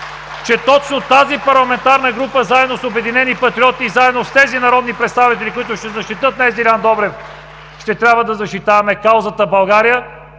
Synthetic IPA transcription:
t͡ʃɛt̪ɔt͡ʃnot̪azipɐɾlˠɐmɛnt̪aɾnəɡɾupəzaɛd̪nosobɛd̪inɛnipɐt̪ɾiɔt̪iːzaɛd̪nost̪ɛzinɐɾɔd̪nipɾɛt̪st̪avit̪ɛlikʊit̪ʊʃt̪ɛzɐʃt̪it̪ɤt̪nɐɛzilʲand̪ɔbɾɛf | ʃt̪ɛt̪ɾʲabvəd̪ɐzɐʃt̪it̪avɐmɛkawzət̪əbɐlˠɡaɾijə

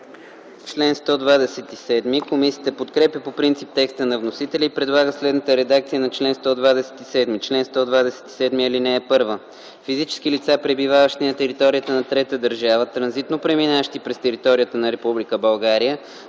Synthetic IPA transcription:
t͡ʃlɛnst̪ɔd̪vad̪ɛsɛt̪isɛd̪mikomisijət̪əpot̪kɾɛpʲjəpopɾint̪sip̚t̪ɛkst̪ənɐvnosit̪ɛlʲiːpɾɛd̪lˠaɡəslɛd̪nət̪əɾɛd̪ak̚t̪sijənɐt͡ʃlɛnst̪ɔd̪vad̪ɛsɛ̥t̪isɛd̪mit͡ʃlɛnst̪ɔd̪vad̪ɛsɛ̥t̪i̥sɛd̪miilinɛːpɤɾvə | fizit͡ʃɛ̥skilit̪sapɾɛbivavəʃt̪inɐt̪ɛɾit̪ɔɾijət̪ənɐt̪ɾɛt̪əd̪əɾʒavət̪ɾɐnzit̪nopɾɛminaʃt̪ipɾɛst̪ɛɾit̪ɔɾijət̪ənɐɾɛpublikəbɐlˠɡaɾijə

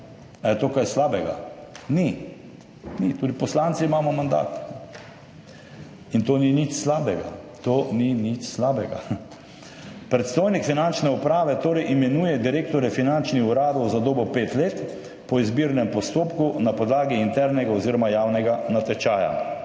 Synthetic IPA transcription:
ajɛt̪oːkajslaːbɛɡa̰ni | nit̪uːd̪ipɔslant̪simaːmɔmand̪a̰ːt̪ | int̪oːninit͡ʃslaːbɛɡa̰t̪oːninit͡ʃslaːbɛɡa̰ | pɾɛt̪st̪ojnikfinant͡ʃnɛupɾaːʋɛt̪oːɾɛjʔimɛnuːjɛd̪iɾeːk̚t̪ɔɾɛfinant͡ʃnixuɾaːd̪ɔwzad̪oːbɔpeːt̪leːt̪ | pɔizbiːɾnɛmpɔst̪oːpkunapɔd̪laːɡiːnt̪ɛɾnɛɡaɔziːɾɔmajaːwnɛɡanat̪ɛt͡ʃaːja̰

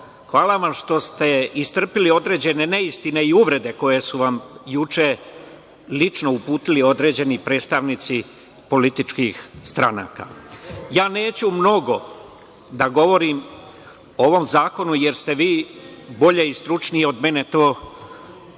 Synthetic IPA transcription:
xʋaːlˠaʋamʃt̪o̞st̪e̞ist̪r̩pilio̞d̪ɾe̞ːd͡ʑe̞ne̞ne̞ist̪ine̞iuʋɾe̞d̪e̞ko̞je̞suʋamjut͡ʃe | lit͡ʃno̞upuːt̪ilio̞d̪ɾe̞ːd͡ʑe̞nipɾe̞ːt̪st̪aʋnit̪si | po̞lit̪it͡ʃkixst̪ɾana̰ːka̰jaːne̞ːt͡ɕumno̞ɡo̞ | d̪aɡo̞ʋo̞ɾim | oʋo̞mzaːko̞nuje̞ɾst̪e̞ʋiːbo̞ʎe̞ist̪ɾut͡ʃnijeo̞d̪me̞ne̞t̪oː

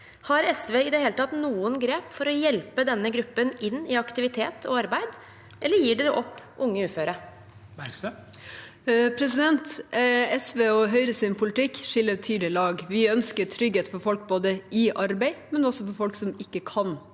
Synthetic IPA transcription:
hɑɾɛsʋeːɪd̪ɛɦeːlət̪ɑt̪nuːənɡɾeːpfɔɾɔjɛlpəd̪ɛnːəɡɾʉpːənɪnːɪɑkt̪ɪʋɪt̪ʰeːt̪ʰɔ̰ɑɾbæɪd̪ | ʔɛlːəɾjiːɖɛɾʔɔpːʔʊŋːəʉːføːɾə | pʰɾɛsɪd̪ɛnt̪ɛsʋeːɔɦœʏɾəsɪnpʰʊlɪt̪ʰɪkːʂɪlːəɾt̪ʰyːd̪lɪlɑːɡʋɪœnskəʈʰɾʏɡheːt̪fɔɾfɔlk̚boːd̪əʔɪʔɑɾbæɪmɛnɔsɔfɔɾfɔlksɔmɪkːəkʰɑn

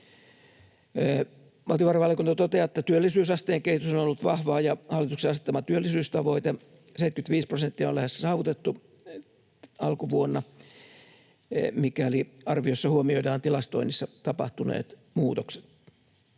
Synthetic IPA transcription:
mɑlt̪iʋɑrɑʋɑljɑkunt̪ɑt̪ot̪eɑet̪ːæt̪yølːisyːsɑst̪eːŋkeit̪usonolːut̪ʋɑhʋɑːjɑhɑlːˑit̪ukseɑset̪ːɑmɑt̪yølːisyːst̪ɑʋo̞it̪e | seit̪kyt̪ʋiːsprosent̪ːiɑolæhessɑːʋut̪et̪ːu | ɑlkuʋuonːɑ | mikæliɑrʋiosːɑhuomioidɑːnt̪ilɑst̪oinisːɑt̪ɑpɑht̪unḛːt̪muːt̪okse̥t̪

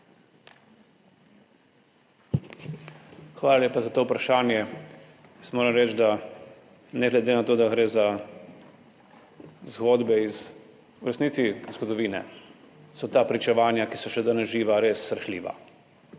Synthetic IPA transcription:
xʋaːlaljeːpazat̪oːpɾaʃaːnjɛ | jsmoːɾɛmɾɛt͡ʃd̪a | nɛɡlɛd̪enat̪oːd̪aɡɾeːza | zɡɔːd̪bɛiz | uɾɛsnit̪sizɡɔd̪ɔʋiːnɛ̰ | sɔt̪aːpɾit͡ʃɛʋaːnjakisɔʃɛd̪ənɛʒiːʋaɾeːsːɾɛxliːʋa̰

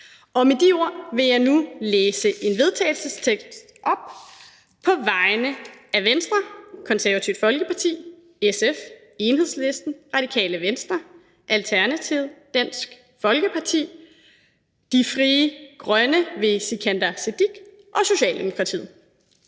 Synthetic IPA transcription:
ʔɒ̽med̥io̝ɐ̰ʋe̝jɑ̈ɪnuleːsəʔe̝nʋe̝ð̞ˠt͡sʰɛ̰ɪl̩səst͡sʰeɡ̥dssd̥ʔɒ̽b̥̚ | pʰɒ̽ʋɑ̈ɪnəæʋensd̥ʁɐkʰɒ̽nsæɐʋæt͡sʰiʊd̥fɒ̽lɡ̥əpʰɑ̈t͡sʰḭː | esef | e̝nhe̝ð̰ˠsle̝sd̥n̩ʁɑ̈d̥ikʰɛ̰ːləʋensd̥ʁɐ | ʔælt͡sʰæɐnæt͡sʰiʊd̥æn̰sɡ̥ | fɒ̽lɡ̥əpʰɑ̈t͡sʰḭː | d̥ifʁiːəɡ̥ʁɶnəʋe̝sikʰænd̥ɐsed̥iɡ̥ | ʔɒ̽so̝ɕɛ̰ːld̥e̝mo̝kʰʁɑ̈t͡sʰḭð̰ˠ

